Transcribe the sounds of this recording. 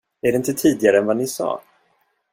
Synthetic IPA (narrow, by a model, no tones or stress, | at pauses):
æɖɛɪnt̪ət̪ʰiːd̪ɪɡaɾəɛnvanɪsɑ̰ː